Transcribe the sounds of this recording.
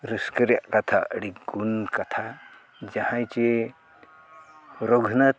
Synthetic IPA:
ɾəskəɾjaʔkat̪ʰa̰ʔɽiɡunkat̪ʰa | d͡ʒahãjt͡ʃe | ɾɔɡʱna

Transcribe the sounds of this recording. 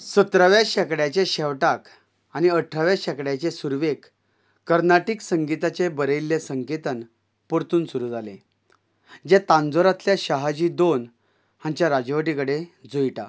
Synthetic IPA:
sət̪ɾaʋjaɕɛkɽjat͡ɕeɕɛʋʈak | aniəʈʰːɾaʋjaɕɛkɽjat͡ɕesuɾʋek | kːəɾnaʈiksəŋɡit̪at͡ɕebəɾəjlːesəŋket̪ən | puɾt̪uːnsuɾuːd͡zʱalḛ | d͡ʑet̪ãnd͡zoɾat̪ljaɕaɦad͡ʑiːd̪on | hãɲt͡ɕjaɾad͡ʑʋəʈikəɽed͡zujʈa̰

